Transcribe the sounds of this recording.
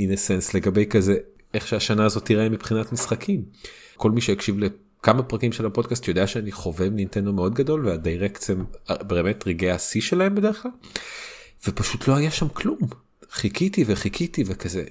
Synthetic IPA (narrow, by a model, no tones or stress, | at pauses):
inesensle̞ɡabe̞jkaze̞ | eχʃeaʃanaːzo̞tiʁaimipχinatmisχakʰimkʰo̞lmiʃejakʃivle | kamapʁakimʃelapo̞d̚kastjod̪eaʃeaniχo̞vevnintendo̞meo̞dɡado̞lveadejʁekt͡sembe̞ːme̞tʁiɡejasiʃelahe̞mbede̞ʁeχklal | v̥epaʃutlo̞hajaʃamklum | χikitiveχikʰitivekazḛ